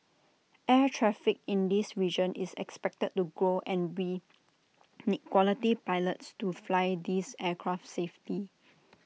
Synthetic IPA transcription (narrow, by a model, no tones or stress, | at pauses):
ʔɛtʰɹɛfɪk̚ɪ̃ndisɹid͡ʒə̃nʔisɛ̰kspɛk̚təd̚tːuɡɹoʔɛ̃nwi | nikwɔlitipaɪlətstuflajd̪isɛkʰɹaftsefti